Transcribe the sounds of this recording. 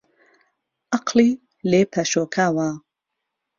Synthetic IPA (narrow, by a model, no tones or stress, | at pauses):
ʔɑqliː | leːpʰɐʃoːkʰaːwa